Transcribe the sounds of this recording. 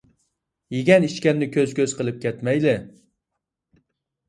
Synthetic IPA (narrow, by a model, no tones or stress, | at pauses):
jeɡʲɛniʃkʲɛnːɪkʲʰøz̥kʲøz̥qʰəlˠɪp̚kʲɛt̪mɛjlɪ